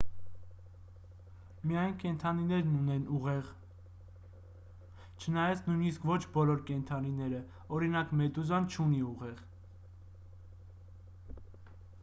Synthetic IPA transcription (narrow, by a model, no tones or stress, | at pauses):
mijɑjnkɛnt̪ʰɑninɛɾnunɛnuʁɛʁ | t͡ʃʰənɑjɑt͡sʰnujniskvɔt͡ʃʰbɔlɔɾkɛnt̪ʰɑninɛɾə | ɔɾinɑkmɛt̪uzɑnt͡ʃʰuniuʁɛʁ